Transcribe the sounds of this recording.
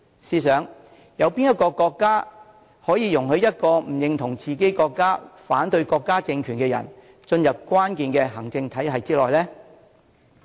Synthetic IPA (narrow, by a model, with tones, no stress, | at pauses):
siː˧sœː˨˥ŋ | jɐ˨˧wpi˥njɛ˥t̚kːɔː˧kɔː˧kːaː˥ | hɔː˨˥jiː˨˧jʊ˨˩ŋhɵ˧ɥjɐ˥t̚kɔː˧m̩˨˩jɪ˨ŋt̪ʰʊ˨˩ŋt͡siː˨ke˨˥jkɔː˧kːaː˥faː˨˥nt̪ɵ˧ɥkɔː˧kːaː˥t͡sɪ˧ŋkʰyː˨˩nkɛː˧jɐ̰˨˩n | t͡ʃɵ˧njɐ˨p̚kʷwaː˥nkiː˨nkɛː˧ɦɐ˨˩ŋt͡sɪ˧ŋt̪ʰɐ˨˥jɦɐ˨jt͡siː˥lɔː˨jlɛː˥